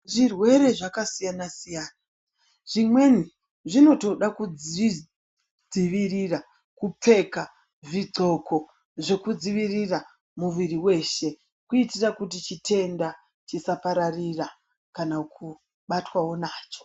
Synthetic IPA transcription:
ʐirwe̞ɾe̞ʐakasijanasijaːna | ʐ̥imwe̞ni | ʐino̞to̞ɗakud͡zi | d͡ziʋirira | kup͡fe̞ka | ʐid͡zo̞ko̞ | ʐe̞kud͡ziʋirira | muʋiriwe̞ːʃe̞ | kuitirakutit͡ʃitʰe̞nda | t͡ʃisapaɾarira | kanakʰu | ɓatwawo̞naːt͡ʃo̥

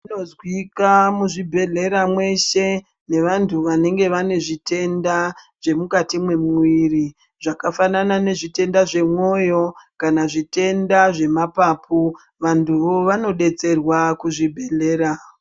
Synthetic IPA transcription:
nozwikamuʐibʱe̞ɮe̞ɾamwe̞ʃe̞ | ne̞ʋantʰuʋane̞ŋɡe̞ʋane̞ʐite̞nda | ʐ̥e̞mukatimwe̞muiri | ʐ̥akafananane̞ʐite̞ndaʐe̞mwo̞jo̞kanaʐite̞ndaʐe̞mapaːpʰu | ʋantʰuʋo̞ʋano̞ɗe̞t͡se̞rwakuʐibʱe̞ɮe̞ːɾa

